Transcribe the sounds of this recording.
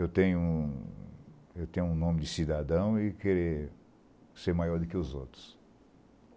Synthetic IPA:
ewt̪ẽɲʊũ | ewt̪ẽɲʊũnõmɪd͡ʒɪsid̪ad̪ɐ̃w̃ɪkeɾe | seɾmajɔɾd̪ʊkɪʊzowt̪ɾʊ̥s

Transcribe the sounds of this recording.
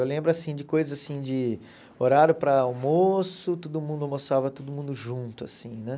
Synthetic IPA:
ewlẽmbɾʊasĩd͡ʒɪkojzɐzasĩd͡ʒɪ | oɾaɾjʊpɾɐawmosʊt̪od̪ʊmũd̪ʊawmosavɐt̪od̪ʊmũd̪ʊʒũt̪ʊa̰sĩnɛ

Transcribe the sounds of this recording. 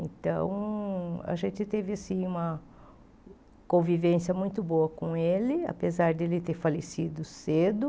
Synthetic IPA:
ẽnt̪ɐ̰̃w̃ | a̰ʒẽnt͡ʃ̪ɪt̪evɪasĩũmɐ | kõvivẽsiɐmũj̃t̪ʊboɐkõelɪa̰pezaɾd̪elɪt̪eɾfalesid̪ʊsed̪ʊ

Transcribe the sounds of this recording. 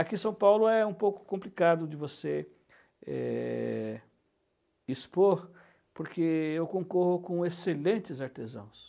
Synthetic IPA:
akĩsɐ̃w̃pawlʊɛũpowkʊ̥kõplikad̪ʊd̪ɪvose | ɛ̰ | ispoɾ | poɾkeewkõkohʊkõeselẽnt̪ɪzaɾt̪ezɐ̰̃w̃s

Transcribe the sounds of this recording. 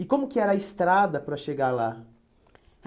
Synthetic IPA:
ɪkõmʊkɪɛɾɐːist̪ɾad̪ɐpɾɐʃeɡala

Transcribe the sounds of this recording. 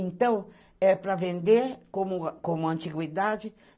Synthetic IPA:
ẽnt̪ɐ̃w̃ | ɛpɾɐvẽnd̪eɾkõmʊkõmʊɐ̃nt͡ʃiɡwid̪ad͡ʒɪ

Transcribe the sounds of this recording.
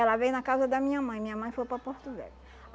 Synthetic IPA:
ɛlɐvejnɐkazɐd̪ɐmĩɲɐmɐ̃j̃mĩɲɐmɐ̃j̃fojpɾɐpoɾt̪uvɛ̰ʎʊ

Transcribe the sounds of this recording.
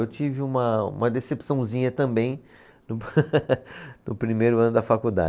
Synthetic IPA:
ewt͡ʃivɪũmɐṵ̃mɐd̪esepsɐ̃w̃zĩɲɐt̪ɐ̃mbẽj̃ | nʊ | nʊpɾimejɾʊɐ̃nʊd̪ɐfakud̪a̰

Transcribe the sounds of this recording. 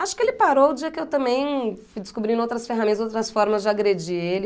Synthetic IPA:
aʃʊ̥kɪelɪpaɾowʊd͡ʒiɐkɪewt̪ɐ̃mbẽj̃fud͡ʒɪskubɾĩnowt̪ɾɐsfeɦãmẽnt̪ɐzowt̪ɾɐsfɔɾmɐzd͡ʒɪaɡɾed͡ʒielɪ

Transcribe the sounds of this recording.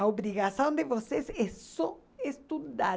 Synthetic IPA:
oβɾiɣasõñd̪evosesɛsɔ | est̪ud̪a

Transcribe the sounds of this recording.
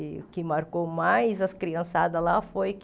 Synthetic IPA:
ʊkɪmaɾkomajzɐskɾiɐ̃sad̪ɐlafojk

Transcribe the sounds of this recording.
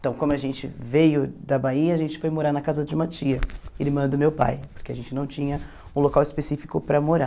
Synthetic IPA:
ẽt̪ɐ̃w̃kõmʊaʒẽnt͡ʃɪ̰vejʊd̪ɐbaiɐːʒẽnt͡ʃɪ̥fojmoɾaɾnɐkazɐd͡ʒɪũmɐt͡ʃiɐelɪmɐ̃nd̪ʊmewpa̰jpoɾkeɐʒẽnt͡ʃɪnɐ̃w̃t͡ʃĩɲɐ | ũlokawɪspesifi̥kʊpɾɐmoɾa

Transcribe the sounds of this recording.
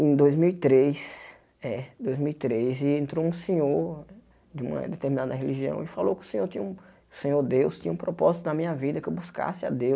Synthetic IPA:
ẽj̃d̪ojzmiwit̪ɾes | ɛd̪ojzmiwit̪ɾezɪẽnt̪ɾowũsẽɲoɾ | d͡ʒɪũmɐ̰d̪et̪eɾmĩnad̪ɐɦeliʒiɐ̰̃w̃ɪfalowkɪʊ̥sẽɲoɾt̪ĩɲɐũ | ʊsẽɲoɾd̪ewst̪ĩɲɐũpɾɔpɔzit̪ʊd̪ɐmĩɲɐvid̪ɐkɪewbuska̰sɪa̰d̪ew

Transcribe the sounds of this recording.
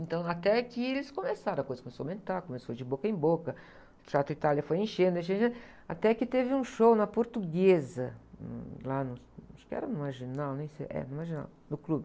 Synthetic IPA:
ẽnt̪ɐ̃w̃at̪ɛakielɪskomesaɾɐ̃kojzɐskõmesomẽnt̪aɾkomesod͡ʒɪbokɐẽj̃bokɐ | t͡ʃ̪at̪ɾʊit̪aljɐfojẽʃẽnd̪ʊẽʃẽʃẽ | at̪ɛkɪt̪evɪũʃownɐpoɾt̪uɡezɐn̰lanʊsaʃʊ̥kɪɛ̰ɾɐnũmaɾʒinawnẽj̃sḛɛ̰nũmaɾʒina̰w | nʊklubɪ

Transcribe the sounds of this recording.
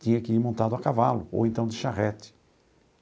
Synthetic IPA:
t̪ĩɲɐkɪiɾmõnt̪ad̪ʊakavalʊo̰wẽnt̪ɐ̃w̃d̪ɪʃaʁɛt̪ɪ̥

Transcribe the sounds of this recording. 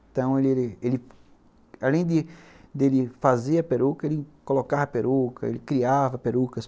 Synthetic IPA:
t̪ɐ̃w̃elɪelɪelɪ | alẽj̃d̪ɪd̪elɪfazeɐpeɾukɐelɪkolokaɾɐpeɾʔukʰɐ̰ḛlɪkɾiavɐpeɾukɐs

